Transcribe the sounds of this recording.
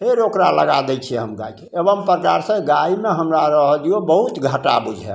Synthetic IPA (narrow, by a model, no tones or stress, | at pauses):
ɦeɾokɾalə̰ɡad̪ɛt͡ʃʰiɛɦəmɡa̰ikeebəmpɾəkaɾsə̃ɡaimeɦəmɾaɾəɦd̪ijobəɦut̪ɡʱəʈa̰bud͡ʒʱɛ̰